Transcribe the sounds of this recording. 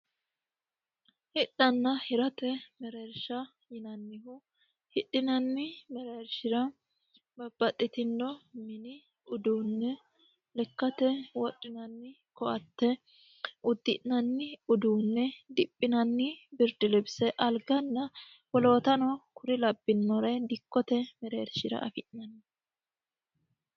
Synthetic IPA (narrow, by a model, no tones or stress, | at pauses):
hɪᶑːɐnːɐhɪɾɐt̪ɛmɛɾɛɾʃɐ | jɪnɐnːɪhʊ | hɪᶑɪnɐnːɪmɛɾeɾʃɪɾɐ | bɐbːɐt̪ʼːɪt̪ɪnːɔmɪnɪ | ʊd̪uːnːɛ | lɛkːɐt̪ɛwɔᶑːɪnɐnːɪ | kɔʔɐt̪ːɛ | ʔʊd̪ːɪʔnɐnːɪʊd̪uːnːɛd̪ɪpʼːɪnɐnːɪbɪɾd̪ɪlɛbsɛʔɐlɡɐnːɐ | wɔlo̞ːt̪ɐnɔkʊɾɪlɐbːɪnːɔɾɐd̪ɪkːɔt̪ɛmɛɾeːɾʃɪɾɐ̰ʔɐ̰fɪʔnɐnːɪ